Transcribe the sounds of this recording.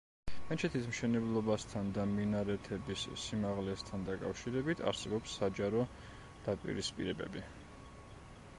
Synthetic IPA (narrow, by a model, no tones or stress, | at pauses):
ɛnt͡ʃʰɛt̪ʰismʃɛnɛblˠɔbast̪ʰand̪aminaɾɛt̪ʰɛbissimaʁlɛst̪ʰand̪akʼa̰fʃiɾɛbit̪ʰa̰ɾsɛbɔpsːad͡ʒaɾɔ | d̪̥apʼḭɾispʼḭɾɛbɛ̰bi